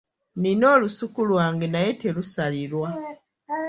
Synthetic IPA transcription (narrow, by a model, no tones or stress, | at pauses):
nino̞ːlusukulwaːŋɡenajetelusalilwa